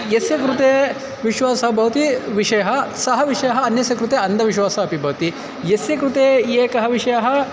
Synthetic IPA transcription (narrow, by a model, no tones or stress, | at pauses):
jesjɐkɾut̪eː | ʋiʃʋaːsɐɦɐbʱɐʋɐt̪iʋiʂɐjɐɦɐ̆sɐɦɐʋiʂɐjɐɦɐɐnjɐsjɐkɾut̪eːɐnd̪ʱɐʋiʃwaːsɐɦɐpibʱɐʋɐt̪i | jesjɐkɾut̪eːeːkɐɦɐʋiʂɐjɐɦɐ̆